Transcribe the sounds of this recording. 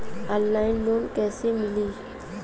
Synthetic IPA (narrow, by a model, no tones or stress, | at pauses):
ənːaːɪnloːnkɛːsemɪliː